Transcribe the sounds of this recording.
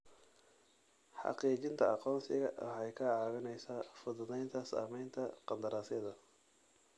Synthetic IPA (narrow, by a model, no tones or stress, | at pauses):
ħɑ̰qiːt͡ʃɪnt̪ʰɐɑqɔːnsɪɣɐʔɐħɛjkʰɐaːɣɐnɛjsaːfʊðʊðɛjnt̪ʰɐsa̰ːmɛjnt̪ʰɐqɑnd̪ɐɾaːsɪðɐ